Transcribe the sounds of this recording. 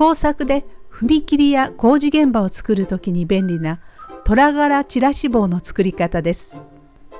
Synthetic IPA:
o̞ːsakɯ̟d̪e̞ɸɯ̟mʲikʲiɾʲijako̞ːʑiɡẽ̞mbao̞t͡sɨ̥kɯ̟ɾɯ̟t̪o̞kʲiɲ̟ibẽ̞nɾʲinat̪o̞ɾaɡaɾat͡ɕiɾaɕibo̞ːno̞t͡sɨ̥kɯ̟ɾʲikat̪ad̪e̞sɨ̥

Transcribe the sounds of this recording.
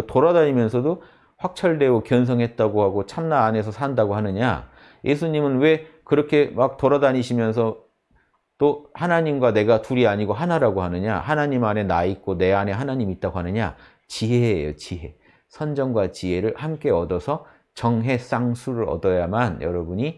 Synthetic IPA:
toɾadaɲimjʌnsʰʌdo | ɸwak̚t͡ɕʰʌɭde̞okjʌns̬ʰʌŋɦe̞t̚t͈aɡohaɡot͡ɕʰamnaːne̞sʰʌsʰandaɡoɦanɯɲa̰ | jʔe̞sʰuɲimɯnwe̞kɯɾʌkʰe̞mak̚toɾadaɲiɕʰimjʌns̬ʰʌ | t͈ohanaɲimɡwane̞ɡatuɾiaɲiɡoɦanaɾaɡoɦanɯɲa̰hanaɲimane̞naik͈one̞ane̞ɦanaɲimit̚t͈aɡoɦanɯɲa̰ | t͡ɕiɦejo̰t͡ɕiɦe̞ | sʰʌnd͡ʑʌŋɡwat͡ɕiɦe̞ɾɯɭhamk͈e̞ʌdʌsʰʌ | t͡ɕʌŋɦe̞s͈aŋsʰuɾɯɾʌ̰dʌjamanjʌ̰ɾʌbuɲi

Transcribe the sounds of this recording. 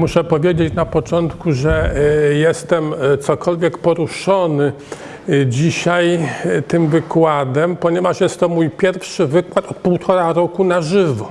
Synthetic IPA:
muʂɛpɔvʲjed͡ʑet͡ɕnapɔt͡ʂɔnt̪kuʐɛjɛst̪ɛmt̪sɔkɔlvʲjɛkpɔɾuʂɔnɘ | d͡ʑiɕajt̪ɘmvɘkwad̪ɛmpɔɲɛvaʂjɛst̪ːɔmujpʲjɛɾfʂɘvɘkwat̪ɔt̪̚puwt̪ʰɔɾaɾɔkunaʐɘvɔ

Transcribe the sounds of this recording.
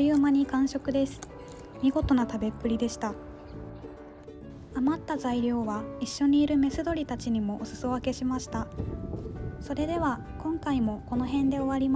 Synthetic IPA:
jɯːmaɲ̟ikãɰ̃ɕo̞kɯ̟d̪e̞sɨ̥ | mʲiɡo̞t̪o̞nat̪abe̞pːɯ̟ɾʲid̪e̞ɕi̥t̪a | amat̪ːazaiɾʲo̞ːβaiɕːo̞ɲ̟iːɾɯ̟me̞sɨd̪o̞ɾʲit̪at͡ɕiɲ̟imo̞ʔːsɨ̥soβake̞ɕimaɕi̥t̪a | so̞ɾe̞d̪e̞βa | kõ̞ŋkaimo̞ko̞no̞ɦẽ̞nd̪e̞o̞βaɾʲima

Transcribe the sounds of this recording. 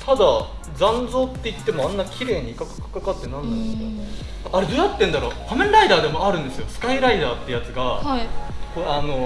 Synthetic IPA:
t̪ʰad̪a | d͡zãnd͡zo̞ːt̪ːe̞it̪ːe̞mo̞ãnːakʲiɾe̞ːɲ̟ikakɯ̥kɯ̥kakat̪ːenaĩnaeska | aɾe̞d̪o̞jat̪ːẽ̞nd̪aɾo̞̰ːpamẽ̞nɾaid̪aːd̪e̞mo̞aɾɯ̟̃nd̪e̞sɨjo̞sɨ̥kaiɾaid̪aːt̪ːe̞jat͡sɨɡaakoano̞

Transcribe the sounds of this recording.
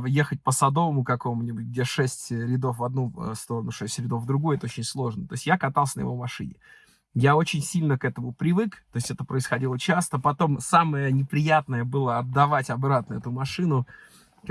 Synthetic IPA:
jexət̚ʲpəsɐd̪o̞vəmʊkɐko̞mʊnʲɪbʊtʲɡ̚dʲeʂɛsʲtʲɾʲɪd̪o̞fvɐd̪̚nust̪o̞ɾənʊʂɛsʲtʲɾʲɪd̪o̞fvd̪ɾʊɡujʊɛt̪əot͡ɕɪnʲslˠo̞ʐnət̪o̞ɪsʲtʲjakɐt̪ɑlˠsʲənə̰jɪ̰vomɐʂɨ̰nʲɪ | jao̞t͡ɕɪnʲsʲilʲnəkɛt̪əmʊpɾʲɪvɨkt̪o̞ɪsʲɛt̪əpɾəɪsxɐdʲilˠət͡ɕast̪əpɐt̪o̞msaməjənʲɪpɾʲɪjat̪nəjəbɨlˠəɐd̪̚d̪ɐvatʲɐbɾat̪nəɛt̪ʊmɐʂɨnʊ | k

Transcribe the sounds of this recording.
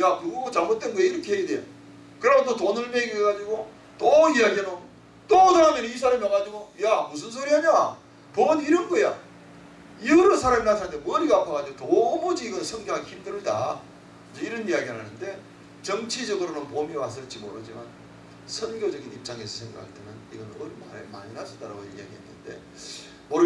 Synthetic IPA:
jakɯɡuɡot͡ɕaɭmot̚wenɡoeiɾʌkʰeeideo | kɯɾʌmototonɯɭmeɡieɡad͡ʑiɡo | toijaɡiɦeno | t͈odɯɾamenis̬ʰaɾɯɭmjʌŋɦad͡ʑiɡojamus̬ʰɯns̬ʰoɾiaɲa | ponɦiɾɯnɡʌja̰ | iʌɾɯsʰaɾaminatʰanɯndemʌɾiɡapʰaɡad͡ʑiɡotomod͡ʑiiɡʌnsʰʌŋɡjoançimdɯɾɯda | d͡ʑʌiɾʌnijaɡiaɾɦanɯnde̞ | t͡ɕʌŋt͡ɕʰid͡ʑʌɡɯɾonɯnpomiwas̬͈ɯɭt͡ɕ͈imoɾɯd͡ʑiman | sʰʌnɡjod͡ʑʌɡinip̚t͡ɕ͈aŋe̞sʰʌsʰe̞ŋɡa̰kʰaɭt͈e̞nɯniɡʌnʌɾimama̰ɲinasʰʌdaɾa̰ɡoḭja̰ɡiɦa̰nːɯ̰nde̞̰ | moɾ

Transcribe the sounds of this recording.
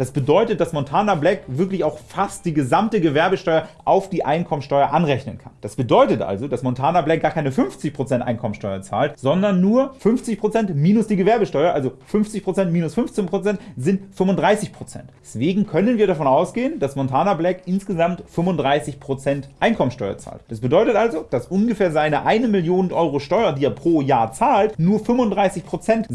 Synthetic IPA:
d̥asb̥ədɔʏtət̚d̥asmɔntʰaːnablɛkvɪɐklɪçaʊxfast̚d̥iːɡəzamtəɡəvɛɐbəʃtɔʏɐʔaʊfd̥iːʔaɪnkʰɔmənsʃtɔʏɐʔanʁɛçnənkʰand̥asb̥ədɔʏtətʔa̰lzod̥asmɔntʰaːnablɛk̚ɡ̥aːɐkʰaɪnəfʏnft͡sɪçpʁ̥ot͡sɛntʔa̰ɪnkʰɔmənʃtɔʏɐt͡sa̰ːltz̥ɔndɐnːuːɐfʏnft͡sɪçpʁ̥ot͡sɛntmiːnʊsd̥iːɡəvɛɐbəʃtɔʏɐʔalzofʏnft͡sɪçpʁ̥ot͡sɛntmiːnʊsfʏnft͡senpʁ̥ot͡sɛntz̥ɪntfʏmʊndʁaɪsɪçpʁ̥ot͡sɛ̰ntɛsv̥eːɡŋ̩kʰœnənviːɐɾafɔnaʊsɡ̥eːənd̥asmɔntʰaːnablɛkʔɪnsɡ̥əzamtfʏmʊndʁaɪsɪçpʁ̥ot͡sɛntʔaɪnkʰɔmənsʃtɔʏɐ̰t͡sa̰ːltd̥asb̥ədɔʏtətʔalzod̥asʔʊnɡəfeːɐzaɪnəʔaɪnəmɪljoːnənʔɔʏʁoʃtɔʏɐdiːeːɐpʁ̥oːjaːɐt͡saːltnuːɐfʏmʊndʁaɪsɪçpʁ̥ot͡sɛnt

